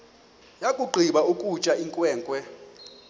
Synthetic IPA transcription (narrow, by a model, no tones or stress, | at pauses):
jakʼuɡ͡ǃʱiɓaukʼut͡ʃʼaiŋkʼwɛːŋkʼwɛ